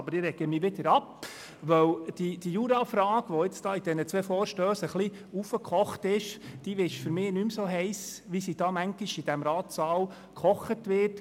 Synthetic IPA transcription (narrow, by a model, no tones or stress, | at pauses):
ɑbəɾɪɾɛɡəmiːʋɪd̪əɾɑp | ʋœwd̥id̥ijuɾɑfɾɑːɡ̥ʋoɪt͡stɑːid̥ɛnət͡sʋɛfɔːɾʃtœːsəχli | ufəkʰɔχtɪʃd̥iʋɪʃfʏɾmɪːnymsoːɦɛɪsʋisid̥ɑːmæŋɡ̥iʃid̥æmɾɑːt̪sɑːw | kʰɔχətʋɪt